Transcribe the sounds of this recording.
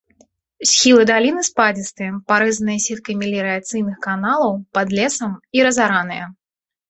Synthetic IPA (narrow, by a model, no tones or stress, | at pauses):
sʲxʲilˠɨd̪alʲinɨspad͡zʲist̪ɨjɐpaɾɨzɐnɨjɐsʲɛt̪̚kɐjmʲilʲiɾɨat̪sɨjnɨxkanalˠɐwpad̪lʲɛsɐmiɾɐzaɾanɨjɐ̰